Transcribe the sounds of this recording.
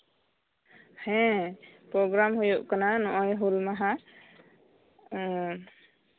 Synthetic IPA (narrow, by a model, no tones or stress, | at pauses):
hɛ̃pɾɔɡɾamɦujuʔkananɔʔɔjɦulmaɦa